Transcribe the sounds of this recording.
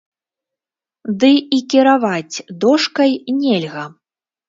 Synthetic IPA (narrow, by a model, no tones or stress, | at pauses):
d̪ɨikʲiɾavat͡sʲd̪ɔʂkɐjnʲelʲɣɐ